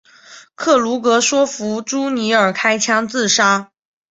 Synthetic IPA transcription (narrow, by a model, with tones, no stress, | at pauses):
kʰɤ˥˩lu˧˥kɤ˧˥ʂwɔ˥fu˧˥ʈ͡ʂu˥ni˧˥ə˞˨˩kʰa˥ɪt͡ɕʰjɑ˥ŋt͡sɹ̩˥˩ʂa˥